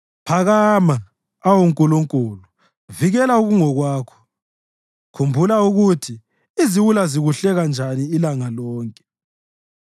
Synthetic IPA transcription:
pʰaɣama | awuŋkʼuluŋkʼulu | viɣɛlauɣuŋɔɣwaːkʰɔ̥ | kʰumbʱulauɣutʰi | iziwulaziɣuɬɛɣand͡ʒʱaniːlaŋalɔːŋkʼɛ̥

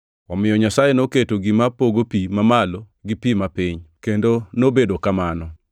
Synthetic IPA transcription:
ɔmɪjɔɲasajenoketoɡɪmapoɡopimamalo | ɡɪpimapiɲkendonobedokamanɔ

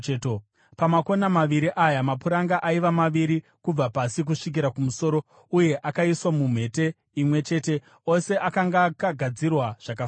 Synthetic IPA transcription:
pamako̞namaʋiɾiʔajamapuɾaŋɡaʔaiʋamaʋiɾi | kub͡vapasik̬uʂik̬iɾakumuso̞ːɾo̞ | uje̞ʔakaiswamum̤e̞te̞ | imwe̞t͡ʃe̞te̞ | o̞se̞ʔakaŋɡakaɡʱad͡zirwaʐ̥akaf

